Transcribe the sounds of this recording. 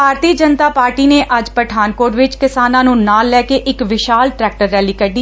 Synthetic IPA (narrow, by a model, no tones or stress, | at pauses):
bʱaːɾt̪iːd͡ʒənt̪aːpaːɾʈiːneːʔəd͡ʒpəʈʰaːnkoːɾʋɪt͡ʃkɪsaːnãːnũːnaːlːɛːkeːʔɪkʋɪʃaːlʈɾɛːk̚ʈəɾːɛːliːkəɖ̪iː